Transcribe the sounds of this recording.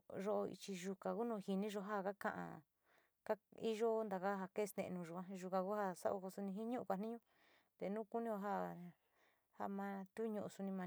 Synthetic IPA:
ʒo˧˦ʔḭ˧t͡ʃi˧ʒu˧kã˨ku˦nũː˧˨hi˧nĩ˦ʒo˧ɦa˦˨ka˦kã̰˧ʔã̰˧ | ka˦i˦ʒo˦nd̪a˨ka˦ɦa˧ke˦˧st̪ḛ̃˧ʔnũ˧ʒu˨ã˦ʒu˧kã˧ku˦ha˦sa̰˦o̰˧ko˧su˧nĩ˧ɦi˦ɲũ˦ʔũ˧kʷa˧˨nĩ˦ɲũ˦ | t̪e˧˨nũː˦ku˦nĩ˦o˧ɦa˦ | ha̰˧mã˧t̪u˦ɲũ˧ʔu˧su˧nĩ˧mã˧

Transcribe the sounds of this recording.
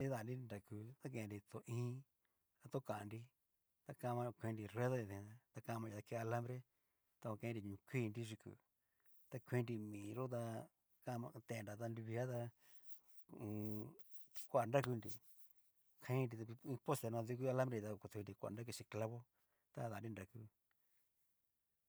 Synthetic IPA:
i˦ða˧˨ndi˦˧nda˨ku˧t̪a˦k̬ẽ˧ndi˧t̪o˧ʔĩː˦ | a˧t̪o˦kã˨˧ndi˧ | t̪a˧kã˧mã˧kʷẽ˧ndi˧re˦ðo˦i˧ðẽ˧a˧t̪a˧kã˧mã˧˨˧t̪a˧ke˧a˧la˦mbɾe˦ | t̪a˧kʷa˧kẽ˧˦nɾi˧˨ɲũ˧˨˧kʷi˦˧ndi˦ʐi˧kṵ˨ | t̪a˧kʷĩ˧ndi˧mĩː˨ɾo˦t̪̬a˧ | ka˧mã˧t̪e˧˨nɾa˨t̪a˧ndi˧βi˧a˦t̪a˧ | kʷa˦˨˧nda˦ku˧ndḭ˧˨ | kʰã˧ĩ˦ndi˧a˧ĩ˧po˦st̪e˧˨n˧ã˧ðu˧k̬u˦a˧la˦mbɾe˧t̪a˧ku˧t̪u˧ndi˧kʷa̰˧˨nda˦k̬u˧t͡ʃi˧kla˧βo˦ | t̪a˦ða˨ni˦nɾa˨ku˦

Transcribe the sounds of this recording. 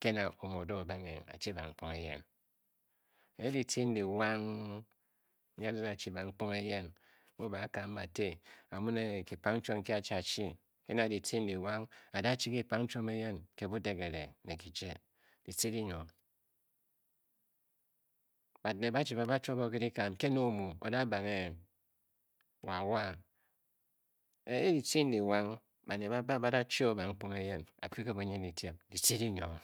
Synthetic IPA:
ke˦na˨o˨mo˨do˦˨ba˦ŋe˨a̰˨t͡ʃi˦ba˨ŋ͡m̩˨˦k͡po˦ŋe˦jḛ˦n | e˨je˦di˨tʰi˦n̩˦di˨wa˦ŋ˦ | a˦di˦na˨t͡ʃi˦ba˨ŋ͡m̩˦k͡po˦ŋe˦je˦n | mu˦ba˨˦ka˨˦m̩˦ma˨te˦a˨mu˦ne˨ki˨pa˦ŋn̩˦t͡ʃo˦ŋ̩˦ke˦a˨t͡ʃi˦a˨t͡ʃi˦ | ḛ˦na˨di˨tʰi˦n̩˦di˨wa˦ŋa˨da˦t͡ʃi˦ki˦˨pa˦ŋn̩˦t͡ʃo˦me˦je˦nke˦bu˦de˨ke˨ɾḛ˨ne˨ki˨d͡ʒe˦ | d̥i˨si˦di˦ɲo˨ | ba˨dne˨ba˦t͡ʃi˨ba˨ba˦t͡ʃo˦bo˦ke˦di˦ka˨mke˦no˦˨mu˨o̰˨da˦ba˨ŋe˦˨ | wa˨wa˦ | e˨e˦di˨ti˦n̩˦di˨wa˦ŋ | ba˨ne˨ba˦ba˦ba˦da˦t͡ʃi˦o˦ba˨ŋ͡m̩˦k͡po˦me˦je˦na̰˨ki˦ke˦bu˨ɲi˦di˨tje˦p̚di˨ti˦di˦ɲo˨

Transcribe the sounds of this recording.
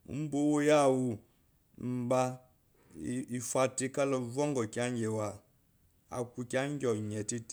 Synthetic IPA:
m̩˦bo˦wo˦ja˦˨wu˨ | m̩˨ba˦˨ | i˨fa˨ti˦ka˦lɔ˨vɔ˦ŋɡɔ˨ka˦ŋɡɛ˨wa˨ | a̰˨ku˨kʲa˦ŋ˦ɡɔ˨ɲɛ˨ti˦t

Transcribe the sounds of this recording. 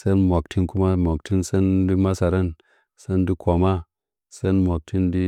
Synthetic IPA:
se˦nmʷo˨k̚tʰi˦nku˦ma˦mo˨k̚ti˦nse˦ndi˦ma˦sa˨ɾe˦n | se˦ndi˦ko˨ma˦ | se˦nmo˨k̚tʰi˦ndi˦

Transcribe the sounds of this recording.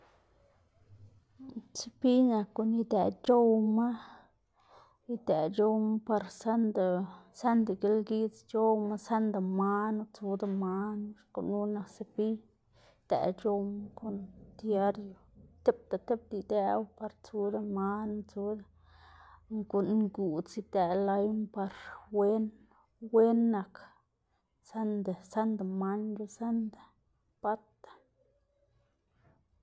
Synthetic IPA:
se˦pi˦na˨kːo˧˨ni˧d̪a˨t͡ʃo˦wma˦ | i˦d̪e˨t͡ʃo˦wma˦pa˧ɾsa˦nd̪a˨sa˦nd̪a˨ɡe˧lɡi˦t͡st͡ʃo˦wma˦sa˦nd̪a˨ma˦nu˦t͡su˦d̪a˧ma˦nu˦ʂko̰˨nu˦na˧kse˧pi˦ | d̪̥a̰˨t͡ʃo˧wma˦ko˧nd̪ja˦ɾjo˨t̪e˦p̚t̪a˨t̪e˦p̚d̪i˧d̪e˦wpa˧ɾt͡su˦d̪a˧ma˦nu˧t͡su˧˦d̪a˦ | ŋko˨nɡu˨t͡si˧t̪ɛ˨la˧˦jmpa˧ɾwe˦n | we˦nːa˨k | sa˦nd̪a˨sa˦nd̪a˨ma˦nd͡ʒu˧sa˦nd̪a˨ | pa˦t̪ḁ˨

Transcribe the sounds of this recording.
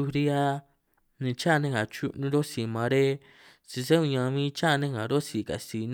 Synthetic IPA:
u˧ɾi˦a˦ | nĩ˧t͡ʃa˦˧nẽ˦ŋa˨t͡ʃu˦nũ˧˦ɾo˦si˨mã˨˧ɾe˦ | si˧s̬e˦ũ˧ɲã˧mĩː˦t͡ʃa˦˧nẽ˦ŋã˨ɾo˦si˨ka̰˨si˨n

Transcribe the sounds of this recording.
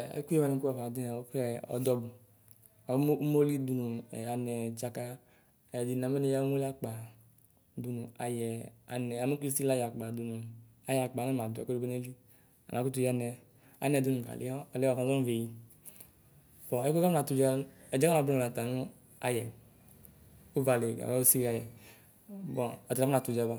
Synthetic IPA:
ɛ̰˦ku˦e˦ma˨nɛ˨˦ku˦a˨a˨di˦a˨o˦kɛ˦ɔ̰˨dɔ˦bu˨ | a˨˦u˦mo˦li˦du˧nu˨ɛ˨a˨nɛ˨t͡ʃa˧ka˦˨ | di˨na˨mɛ˦nɛ˨˦ja˦mo˦la˦k͡pa˨ | du˧nu˨a˨jɛ˨a̰˨nɛ˨a˨me˦ku˦i˦si˦la˦ja˨k͡pa˨du˨nu˨ | a˨ja˨k͡pa˨nɛ˦m˨a˨d̰ko˦i˦ɡo˦ne˦li˦ | a̰˨nã˨ku˦t̬u˧˦ja˧nɛ˨ | a̰˨nɛ˨du˦nũ˨ɡa̰˨lʔḛ˦ɔ˦ɛ˨lɛ˦ɔ˨ã˨zɔ˦ve˨ji˨ | bɔ̃˨˦e˦ko˦ka˦na˨tu˧˨d͡ʒa˦lɛ˨d͡ʒɛ˦na˨bu˦a˨a˨ta˨nu˦ | a̰˨jɛ˨ | u˦va˨le˨ɡa̰˨wa˦u˦si˦a˦˨jɛ˨ | bɔ˨ɔ˨a˦u˦na˨tu˨d͡ʒa˦ba˦

